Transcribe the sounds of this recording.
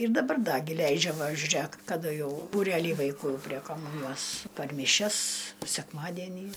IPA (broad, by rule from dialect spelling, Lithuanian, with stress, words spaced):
ɪr dɐˈbɐr ˈdɐ ɡʲɪ ˈlʲɛɪd͡ʒʲɛ ˈʋɐ ʒʲʊˈrʲeːk kɐˈdʊ ˈjɛʊ buːˈrʲæːlʲiː ʋɐɪˈkuː pʲrʲiɛ kɐˈmuːnʲɪjoːs pɐr mʲɪˈʃʲɛs sʲɛkˈmɑːdʲiɛnʲiː